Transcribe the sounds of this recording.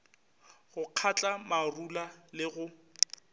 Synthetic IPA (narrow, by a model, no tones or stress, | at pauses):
ɣʊq͡χʰat͡ɬʼamarulalɪɣʊ